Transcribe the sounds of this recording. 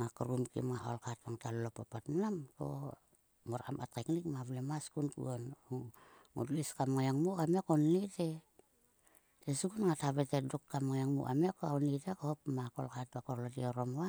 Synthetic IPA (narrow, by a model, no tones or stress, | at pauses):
ŋakuɾumkḭmŋaho̰lkat̚baŋtalulopapatmanamko̰ | moɾa̰ma̰teknikmaβlemaskunkṵonuŋṵduliskamŋajaŋmukamekonite | tesuɡunŋataβetedukːamŋajaŋmṵʔa̰mekoaunitekohopmako̰lkat̚bakoɾlotioɾomwa